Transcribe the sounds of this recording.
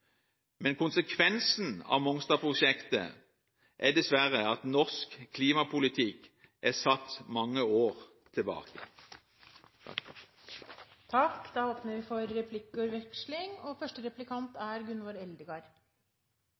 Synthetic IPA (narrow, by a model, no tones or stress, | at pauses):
mɛnkʰʊnsəkʰʋɛnsn̩ɑ̰ːʋmɔŋst̪ɑːpʰʁʊʃɛkt̪ə̰ | ʔæd̪ɛsʋæʁəɑt̪nɔskkʰːliːmɑpʰʊlɪt̪ʰɪk | ʔæsɑt̪ːmɑŋːəoːʁ | t̪ʰɪlbɑ̰ːkə̰ | t̪ʰɑkd̪̥ɑːoːpnəʋɪfɔɾːɛpʰlɪkːɔɾʋɛkʂlɪŋoːfœʂʈəɾɛplɪkʰɑnt̪æɾɡʉnʋɑɾɛld̪əɡɑɾ